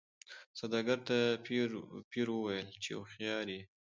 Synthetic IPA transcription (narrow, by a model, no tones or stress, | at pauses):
sad̪ɑɡaɾt̪a | piɾwəwajəlt͡ʃej̰wxjɑɾi